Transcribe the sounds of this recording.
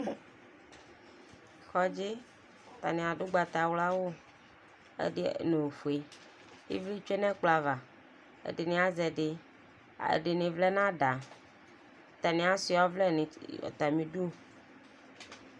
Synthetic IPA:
xɔ˨d͡ʒi˦ | t̪a̰˨nĩ˨a˨ɖo˦ɡ͡ba˨t̪a˨wla˦wo˦ | ḛ˦dnẽ˨fu˨e˨ | jḭ˦vli˦t͡ʃe˦nɛ̃˦k͡pla˨va˨ | ḛ˦de˨nĩ˨a˦zɛ˨ɖɪ̰˨ | ḛ˨ɖe˨nĩ˨vlɛ˦nã˦ɖa˨ | t̪a˨nĩ˨a˨si˨ɔ˦vlɛ˦ni˨ɔ̰˨t̪a˨mĩ˨ɖu˦

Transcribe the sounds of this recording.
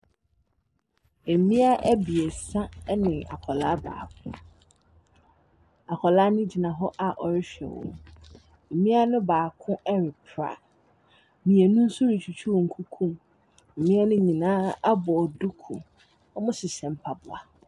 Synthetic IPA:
ɛ˨mĩ˦a˦ʔæ˦bi˨ɛ˨sã˦nɪ̃˨a̰˨kʰɔ˨laː˦ba̰ː˨kʰʊ̃˦ | a˨kʰɔ˨laː˦nʊ̃˦d͡ʑi˨nã˨ɦɔ˦ʔa˨ʔɔ˨ɾɪ˦ɕᶣɛ̰˨wɔ̰̃˦˨ | m̩˨mĩ˦a˦nʊ̃˦baː˨kʰʊ̃˦ʔɛ˦ɾɪ˨pʰɾa̰˨ | mĩ˨e˨nũ˦n̩˦su˦ɾi˨t͡ɕʰu˨t͡ɕʰu˦ɔ˨ŋ̩˨kʰu˦kʰũ˦m̩˨ | mĩ˦a˦nʊ̃˦ɲĩ˨nãː˦a˦bɔ˨dʊ˦kʰʊ̰˨ | ɔ˦mʊ̃˦sɪ˨sɛ̃˨m̩˦pʰa˨bʊ˨a̰˨

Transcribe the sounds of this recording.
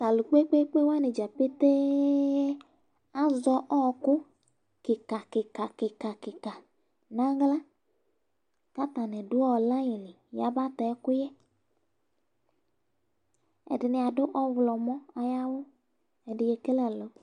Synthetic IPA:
ta˨lu˨k͡pe˦k͡pe˦k͡pe˦wa˦nɪ˨d͡ʒa˨pɪ˦te˦ | a˦zɔ˧ʔɔ˦˨kʊ˦ | kɪ˨ka˨kɪ˨ka˨kɪ˨ka˨kɪ˨ka˨ | na˦ɡla˦ | ka˦ta˨nɛ˨dʊ˦ɔ˦˨la˦jɪ˨lɪ˨ja̰˨ba˦tɛ˨˦kʊ˦jɛ˦ | ɛ̰˨dɪ˨nɪ˧a˨dʊ˦ʔɔ˦wlɔ˨mɔ˦a˨ja˦wʊ˦ | ɛ˨dɪ˨je˧ke˦lɛ˨lo˨

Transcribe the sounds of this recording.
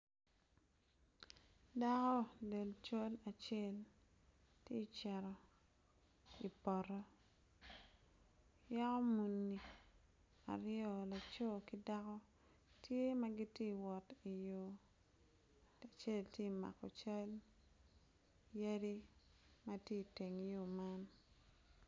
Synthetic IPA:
da˦kɔ˦de˨lt͡ʃa˦la˨t͡ʃe˦˨l | tje˦t͡ʃɛ˨ɾɔ˨ | i˨pɔ˨ɾɔ˦ | ja˦kɔ˦mu˨nːi˨ | a̰˨ɾɪɔ˨la˨t͡ʃo˦ki˦da˦kɔ˦ | tje˦ma˦ɡi˦tje˦wɔ˨ti˨jo˨ | a˨t͡ʃe˦˨ltje˦˨ma̰˨kɔ˨t͡ʃa˦l | ja˦di˦ | matje˦˨te˨ŋjo˨ma˦n

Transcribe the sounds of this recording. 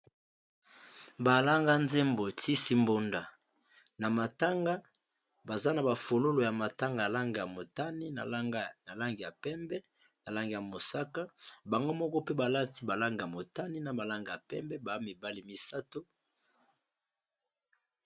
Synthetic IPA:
ba˨la˦ŋɡa˦nze˦mbo˨ti˦si˦mbo˦nda˨ | na˨ma˨ta˦ŋɡa˦ | ba˨za˦na˨ba˨fo˨lo˦lo˨ja˨ma˨ta˦ŋɡa˨la˦ŋɡi˨ja˨mo˨ta˦ni˦n˨˦na˨la˦ŋɡi˨ja˨pɛ˦mbɛ˦ | na˨la˦ŋɡi˨ja˨mo˨sa˦ka˦ba˨ŋɡo˦mɔ˦kɔ˦pe˦ba˨la˦ti˦ba˨la˦ŋɡi˨ja˨mo˨ta˦ni˦na˨ba˨la˦ŋɡi˨a˨pɛ˦mbɛ˦ba˨˦mi˨ba˦li˨mi˨sa˦to˦

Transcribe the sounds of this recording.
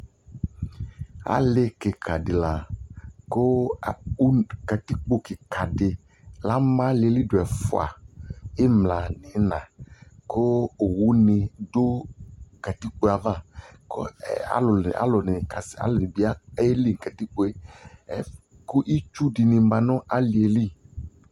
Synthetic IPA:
a̰˦le˦ke˨kʰa˨dɪ˨la˨ko˦˨u˦ka˨t̪i˦k͡po˦kɪ˨ka˨dɪ˨ | la˦mã˦le˦li˦do˨ɛ˨fʊ̰˨a̰˨e˦mla˨nĩ˨˦nã˨ko˦o˨wu˦nɪ˨do˦˨ka˨t̪i˦k͡po˦a˨va˦ko̰˦a̰˦lʊ˨a̰˨˦lɔ˨nɪ˨ka˨sa̰˦lɔ˨nĩ˨bi˨˦a˦e˦li˦ŋ˨ka˨t̪i˦k͡po˦e˦ɛ˦ | ku˦ʔi˦t͡ʃu˦di˨nĩ˨˦mã˨nɔ̃˦ʔa˦li˨e˨li˦

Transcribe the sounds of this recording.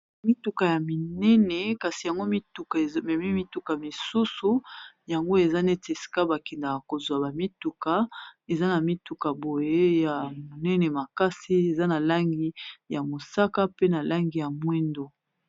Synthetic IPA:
mi˦tu˨ka˨ja˨mi˨nɛ˦nɛ˨ka˨si˨ja˨ŋɡo˦mi˦tu˨ka˨˦mɛ˨mi˦mi˦tu˦ka˨mi˨su˦su˨ja˨ŋɡo˦e˨za˦nɛ˦te˨si̥˨ka˦ba˨kɛ˨nda˨ka˨ko˨zwa˨ba˨mi˦tu˨ka˨e˨za˦na˨mi˦tu˨ka˨bo˨je˦ja˨mo˨nɛ˦nɛ˨ma˨ka˦si˦e˨za˦na˨la˦ŋɡi˦ja˨mo˨sa˦ka˦pe˦na˨la˦ŋɡi˨ja˨mwɛ˦ndo˦

